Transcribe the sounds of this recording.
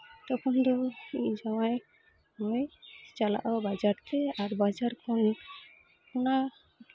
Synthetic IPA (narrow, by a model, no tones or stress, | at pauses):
t̪ɔkʰund̪ɔid͡ʒɔmaj | mɔjt͡ʃala̰ʔɔbad͡ʒaɾt̪ʰɛaɾbad͡ʒaɾkʰɔn | kuna